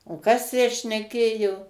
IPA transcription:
oː ˈkɐs tʲæː ʃʲnʲɛˈkʲeːjoː

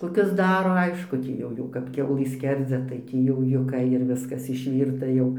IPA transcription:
koːˈkʲʊs ˈdɑːroː ˈɐɪʃkʊ ˈtʲiː jɛʊ ˈjɛʊ kɐp ˈkʲɛʊlˠɨ ˈsʲkʲɛrʲd͡zʲɛ tɐɪ ˈtʲiː jɛʊ jʊˈkɐ ɪr ˈʋʲɪskɐs ɪʃʲˈʋʲiːrtɐ jɛʊ

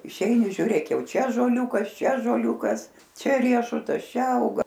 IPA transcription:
ɪʃʲˈɛɪnʲɪ ʒʲuːˈrʲeːk ˈjɛʊ ˈt͡ʃʲɛ ɑːʒoːˈlʲuːkɐs ˈt͡ʃʲɛ ɑːʒoːˈlʲuːkɐs ˈt͡ʃʲɛ ˈrʲiɛʃʊtɐs ˈt͡ʃʲɛ ˈɐʊɡɐ

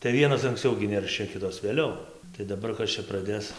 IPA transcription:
tɐɪ ˈʋʲiɛnoːs ɐŋksʲˈt͡sʲɛʊ ɡʲɪ ˈnʲɛrʲʃʲɛ ˈkʲɪtoːs ʋʲeːˈlʲɛʊ tɐɪ dɐˈbɐr ˈkɐs t͡ʃʲɛ prɐˈdʲeːs

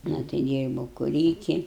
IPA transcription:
ˈnɐ tɐɪ ˈdʲiːrbɐʊ kʊˈrʲiːkʲɪ

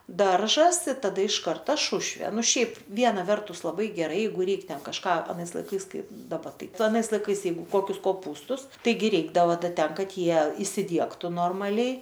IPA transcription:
ˈdɐrʒɐs ɪ tɐˈdɐ ɪʃ ˈkɐrtɐ ˈʃʊʃʲʋʲeː ˈnʊ ˈʃʲɛɪp ˈʋʲiɛnɐ ˈʋʲɛrtʊs lˠɐˈbɐɪ ɡʲɛˈrɐɪ ˈjɛɪɡʊ ˈrʲɛɪk ˈtʲɛn kɐʃˈkɑː ɐˈnɐɪs lˠɐɪˈkɐɪs ˈkɐɪ dɐˈbɐ ˈtɐɪ ˈtʊ ɐˈnɐɪs lˠɐɪˈkɐɪs ˈjɛɪɡʊ ˈkoːkʲʊs koːˈpuːstʊs ˈtɐɪɡʲɪ ˈrʲɛɪɡdɐʋoː ˈdɐ ˈtʲɛn ˈkɐt ˈjiɛ ɪsʲɪˈdʲiɛktʊ ˈnoːrmɐlʲɛɪ

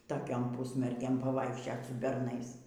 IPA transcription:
toːˈkʲoːm ˈpʊsʲmʲɛrʲɡʲeːm pɐʋɐɪkʃʲˈt͡ʃʲoːt sʊ bʲɛrˈnɐɪs

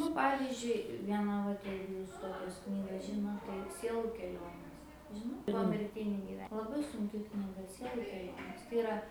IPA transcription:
nʊ ˈpɑːʋʲɪzʲd͡ʒʲʊɪ ˈʋʲiɛnɑː ˈʋɐt ˈjɛɪɡʊ ˈjuːs ˈtoːkʲɛs ˈknʲiːɡɐs ˈʒʲɪnoːt tɐɪ ˈsʲiɛlˠʊ kʲɛˈlʲoːnʲeːs ˈʒʲɪnoːt poːmʲɪrʲˈtʲɪnʲiː ɡʲɪˈʋʲɛ lˠɐˈbɐɪ sʊŋʲˈkʲɪ knʲiːˈɡɐ ˈsʲiɛlˠʊ kʲɛˈlʲoːnʲeːs tɐɪ ɪˈrɐ

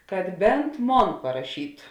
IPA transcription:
kɐt ˈbʲɛnt ˈmoːn pɐrɐˈʃʲiːtʊ

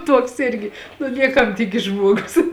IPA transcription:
ˈtuɔks ˈɪrʲɡʲɪ nʊ ˈnʲiɛkɐm ˈtʲɪkʲɪs ˈʒmuɔɡʊs

